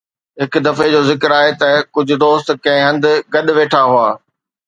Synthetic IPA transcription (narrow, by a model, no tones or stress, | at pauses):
ɦɪk̆d̪ɐfed͡ʑoːzɪkɪɾaːɦet̪ɐkʊd͡ʑʱʊ̆d̪oːst̪kɐ̃ɦɪ̃ɦɐ̃nd̪ʊ̆ɡɐɗ̆ʋeːʈʰaɦuaː